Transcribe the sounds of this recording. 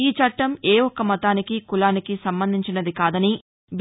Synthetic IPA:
iːt͡ʃɐʈːɐmeːɔkːɐmɐt̪aːnikikulaːnikisɐmbɐnd̪ʱiɲt͡ʃinɐd̪ikaːd̪ɐni | b

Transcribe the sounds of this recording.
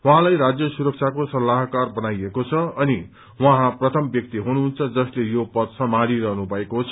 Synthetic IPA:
waɦãlajɾad͡zjʌsuɾʌk̚t͡sʰakosʌlːaɦkarbʌnajekot͡sʰʌʌni | wʌɦãprʌt̪ʰʌmbjʌk̚t̪iɦunuɦunt͡sʰʌd͡zʌslejopʌt̪sʌ̃mãɾiɾʌɦnubʱʌekot͡sʰʌ

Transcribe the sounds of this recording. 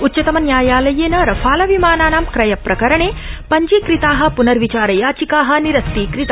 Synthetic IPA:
utːt͡ʃːɐt̪ɐmɐnjaːjaːlɐjeːnɐɾɐfʰaːlɐʋimaːnaːnaːmkɾɐjɐpɾʔɐkɐɾɐɳeːpɐɲd͡ʒiːkɾit̪aːɦɐ̆punɐɾʋit͡ʃaːɾɐjaːt͡ʃikaːɦɐ̆niɾɐst̪iːkɾit̪a

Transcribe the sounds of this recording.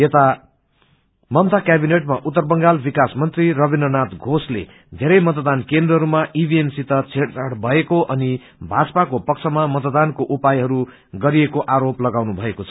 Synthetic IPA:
jet̪a | mʌmt̪akjabineʈ̚maʔut̪ːʌrbʌŋɡalbikasmʌnt̪riɾʌbinːʌnat̪ɡʱoslḛ | d̪ʱeɾʌjmʌt̪d̪ankend̪rʌɦʌɾumaʔibʱiemsit̪ʌt͡sʰeʈt͡saɽbʱʌekoʔʌni | bʱad͡zʌpakopʌkt͡sʰʌmamʌt̪d̪ankoʔupajɦʌɾu | ɡʌɾiekoʔaɾoplʌɡawnubʱʌekot͡sʰʌ̥

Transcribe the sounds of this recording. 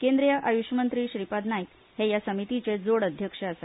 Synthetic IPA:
kend̪ɾijəʔajuɕəmənt̪ɾiːɕɾipad̪najik | hejasəmit̪it͡sed͡zoɽəd̪ʱjəkʂəəsa

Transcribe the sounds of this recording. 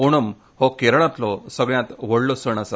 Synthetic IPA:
oɽ̃əm | hɔkeɾɳat̪lɔsəɡɭjãt̪ʋəɽlɔsəɳasa

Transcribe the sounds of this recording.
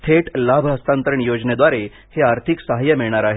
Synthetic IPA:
t̪ʰeʈlabʱəst̪ant̪əɾəɳjod͡zned̪ʋaɾe | heaɾt̪ʰiksəɦajːəmiɭɳ̃aɾaɦe

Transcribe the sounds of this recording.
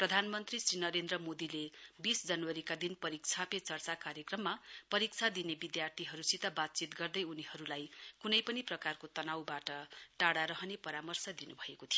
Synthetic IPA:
prʌd̪ʱanmʌnt̪risrinʌɾend̪rʌmod̪ilebisd͡zʌnwʌɾikad̪inpʌɾik̚t͡sʰapet͡sʌrt͡sakaɾjʌkrʌmːapʌɾik̚t͡sʰad̪inebid̪jart̪ʰiɦʌɾusit̪abat̪̚t͡sit̪ɡʌrd̪ʌjunihʌɾulajkunʌjpʌniprʌkarkot̪ʌnawbaʈʌʈaɽaɾʌɦʌnepʌɾamʌrsʌd̪inubʱʌekot̪ʰijo

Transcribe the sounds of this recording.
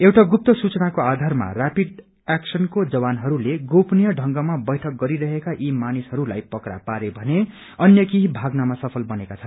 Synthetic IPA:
ewʈaɡup̚t̪ʌsut͡sʌnakoad̪ʱarma̰rapiɖ | aksʌnkod͡zʌbanɦʌɾuleɡopnijʌɖʱʌŋɡʌmabʌjʈʰʌk̚ɡʌɾiɾʌɦekaʔimanisɦʌɾula̰jpʌkra̰paɾebʱʌne | ʌnjʌkiɦibʱaɡnamasʌpʰʌlbʌnekat͡sʰʌn

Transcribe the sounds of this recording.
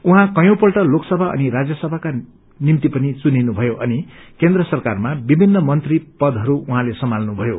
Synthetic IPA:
uɦãkʌjõpʌlʈʌloksʌbʱaʌ̰niɾad͡zjʌsʌbʱaka | nimt̪ipʌnit͡suninubʱʌjoʔʌnikend̪rʌsʌrkarmabibʱinːʌmʌnt̪ripʌd̪ɦʌɾuuɦãlesʌmalnubʱʌjo

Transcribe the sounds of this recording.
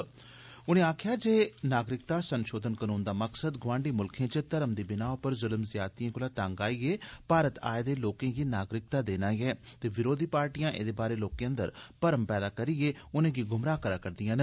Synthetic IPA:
ʊnẽːaːkʰɪjaːd͡ʒeːnaːɡɾɪk̚t̪aːsənʃoːd̪ənkənuːnd̪aːməksəd̪ɡʊʋãːɳɖiːmʊlkʰẽːt͡ʃət̪əɾəmd̪iːbɪnaːopəɾzʊləmzɪjaːt̪iãːkʊlaːt̪ãːŋɡaːieːpaːɾət̪a̰ːed̪eːloːkẽːɡiːnaːɡɾɪk̚t̪aːd̪eːnãːjɛːt̪eːʋɪɾoːd̪ʱiːpaːɾʈijãːʔḛːd̪eːbaːɾeːloːkẽːə̃nd̪ə̰ɾpəɾəmpɛːd̪aːkəɾieːʊnẽːɡiːɡʊmɾaːkəɾaːkəɾd̪ɪjãːne

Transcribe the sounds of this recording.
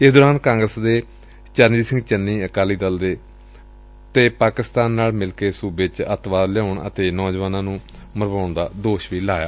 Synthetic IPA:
ɪsd̪ɔːɾaːnkãːŋɡɾəsd̪eː | t͡ʃəɾniːsɪ̃ŋɡt͡ʃənːiːəkaːliːd̪əld̪eː | t̪eːpaːkɪst̪aːnːaːlmɪlkeːsuːbet͡ʃət̪ʋaːd̪ljaʊɳə̰t̪eːnɔːd͡ʒʋaːnãːnũː | məɾʋaːʊɳd̪aːd̪oːʃʋiːlaːja̰ː

